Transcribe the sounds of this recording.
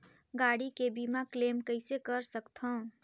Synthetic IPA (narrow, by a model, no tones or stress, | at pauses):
ɡaɽikebimaklemkəɪsekəɾsəkt̪ʰə̃ʊ̃